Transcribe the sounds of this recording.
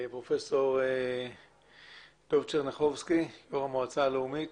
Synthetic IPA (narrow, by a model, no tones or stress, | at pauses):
pɾofesoɾe | t̪oft͡ʃeʁneχovskijoʁamoat͡saːloumit̪